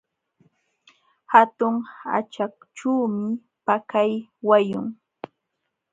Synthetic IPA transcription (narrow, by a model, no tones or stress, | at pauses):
hat̪ʊŋa̰t͡ʃakʈ͡ʂuːmɪ | pakajwajʊŋ